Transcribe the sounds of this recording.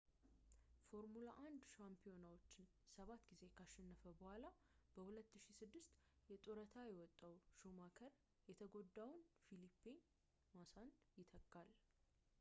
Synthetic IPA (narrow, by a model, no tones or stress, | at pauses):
fo̞ɾmulaʔand̪ʃampʰijo̞nawot͡ʃːɪn | səβat̪ːɡize̞kʰaʃːɛnːəfəbəhʷala | b̥əhulət̪ːɨʃisɨd̪ːɨst̪jɛt̪ʼoɾət̪ʰajɛwɔt̪ʼːawʃomakʰəɾ | jɛt̪ʰəɡo̞d̪ːawnfilipːen | masand̪jɪt̪ʰəkʼːal